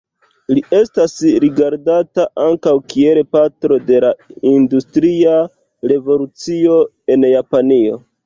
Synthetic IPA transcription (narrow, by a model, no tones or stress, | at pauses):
liʔe̞stasɾiɡaɾdataʔaŋkawkielepatɾo̞de̞laindustɾia | ɾe̞vo̞lut͡sio̞ | e̞njapanio̞